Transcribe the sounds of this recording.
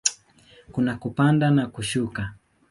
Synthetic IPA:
kunakupandanakuʃuka

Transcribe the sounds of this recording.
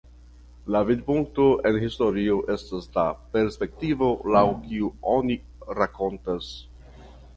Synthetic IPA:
lavidpuŋk̚to̞ʔe̞nhisto̞ɾioʔe̞staslape̞ɾspe̞k̚tivo̞lawkiuo̞ni | ɾako̞ntas

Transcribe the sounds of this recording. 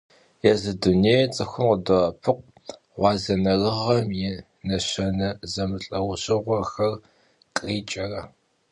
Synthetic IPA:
jɛzɨduneːjt͡sʼɨxʷʊmqədoɐpʰɨqʷ | ʁʷɑːzɐnɐrɨʁɐmjɪ | nɐɕɐnɐzɐmɨɬʼɐwʊɕʼɪʁʷɔxɐr | qʼiːt͡ʃʼɐrɐ

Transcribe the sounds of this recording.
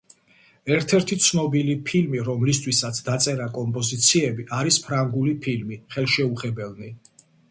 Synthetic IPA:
ɛɾt̪ʰɛɾt̪ʰit̪sʰnɔbilipʰilmiɾɔmlist̪ʰwisat̪sʰd̪at̪sʼɛɾakʼɔmpʼɔzit̪sʰiɛbiʔaɾispʰɾaŋɡulipʰilmiχɛlˠʃɛuχɛbɛlˠni

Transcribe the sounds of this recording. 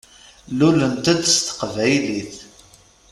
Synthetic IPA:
lulənt̪æd̪st̪ə̥qvæjliθ

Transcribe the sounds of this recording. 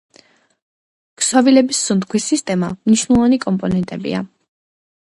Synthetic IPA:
kswavilɛbisːund̪kʰwisːist̪ʼɛmamniʃnɛlˠvanikʼɔmpʼɔnɛnt̪ʼɛbḭa̰

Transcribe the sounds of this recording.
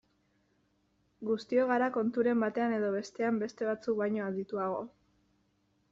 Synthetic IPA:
ɡust̪io̞ɣ̞aɾako̞nt̪uɾe̞mbat̪e̞ane̞ðo̞β̞e̞st̪e̞ambe̞st̪e̞β̞at͡suk̚bajɲo̞aðit̪uaɣ̞o̞

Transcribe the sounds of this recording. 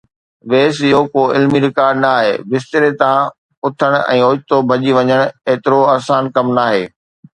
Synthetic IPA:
ʋeːsɪɦokoːɪlmiɾɪkaːɾɖnaːɦḛːbɪst̪ɪɾet̪ã | ʊt̪ʰəɽ̃ɛ̰̃ːoːt̪obʱɐʄiʋɐɲəɽ̃eːt̪ɪɾoaːsaːnkɐmnaːɦeː

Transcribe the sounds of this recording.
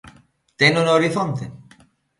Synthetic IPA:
t̪enunooɾiθont̪e

